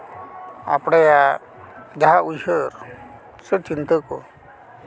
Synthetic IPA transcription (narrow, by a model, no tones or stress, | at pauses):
a̰pɽaja | d͡ʒaɦaʔujɦəɾ | sət͡ʃint̪əkɔ̰